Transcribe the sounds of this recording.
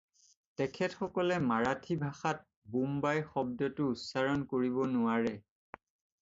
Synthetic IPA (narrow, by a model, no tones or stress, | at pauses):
tɛkʰɛtxɔkɔlɛmaɹatʰibʱaxat̚ | bumbajxɔb̚dɔtʊːtsaɹɔnkoɹibɔnʊaɹɛ